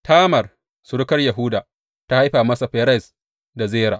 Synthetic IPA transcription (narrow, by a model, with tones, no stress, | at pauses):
tʰaː˦mɐ˨r | sʊ˨ɽʊ˦kɐ˦rja˨ɦʊ˦daː˨ | ta˦ha˦jɸaː˨mɐ˦sa˨ɸɛ˨˦ɾɛ˦˨s | da˨zeː˦ɾa̰ː˨ʔ